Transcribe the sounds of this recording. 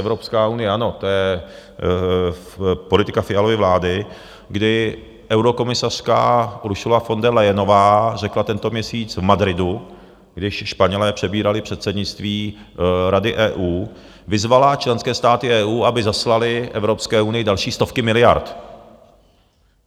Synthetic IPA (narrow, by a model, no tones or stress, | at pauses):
ɛvɾo̞pskaːunɪjɛʔano̞t̪ojɛ | po̞lɪt̪ɪkafɪalovɪvlaːdɪ | ɡdɪ | ʔɛwɾo̞ko̞mɪsar̝̥ka̰ɾuʃulafo̞ndɛlɛjɛno̞vaːrɛklat̪ɛnt̪o̞mɲɛsiːt͡svmadɾɪdu | ɡ̥dɪʃʃpaɲɛlɛːpr̝̥ɛbiːɾalɪpr̝̥ɛt̪sɛdɲɪt͡st̪viː | ɾadɪʔɛːʔuː | vɪzvalat͡ʃlɛnskɛːst̪aːt̪ɪʔɛːʔuːʔabɪzaslalɪʔɛvɾo̞pskɛːʔunɪjɪdalʃiːst̪o̞fkɪmɪlɪja̰ɾt̪